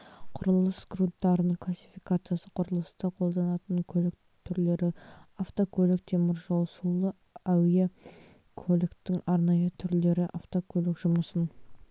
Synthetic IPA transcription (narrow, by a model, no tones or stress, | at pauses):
qʰʊɾəlˠəsɡrut̪ːɑɾənəɴqʰlˠasʲi̥fijkat̪sɨjasəqʰʊɾəlˠəst̪ɑqʰo̞lˠd̪ɑnɑt̪əŋkʲʰɵlɪk | t̪ʰʏɾle̞ɾɪaft̪okʲʰɵlɪk̚t̪ʰe̞mɪɾʒolˠsulˠə | æwje | kʰolʲɪkt̪ɪŋɑɾnɑjət̪ʰʏɾle̞ɾɪʔaft̪okʲʰɵlɪkʒ̥ʊməsən